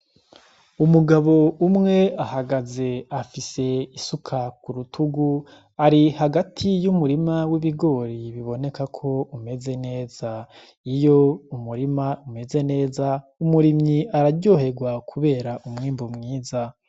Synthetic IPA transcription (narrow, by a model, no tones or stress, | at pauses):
umuɡaβo̞umŋe̞ahaɡaze̞afise̞isukʰakuɾutʰuɡu | aɾihaɡatʰijumuɾimawiβiɡo̞ːɾiβiβo̞ne̞kakʰo̞ume̞ze̞ne̞ːz̥a | ijo̞umuɾimaume̞ze̞ne̞ːza | umuɾimɲiʔaɾaɾɟo̞ɦe̞ɡwakʰuβe̞ːɾaʔumŋiːmbomŋiːza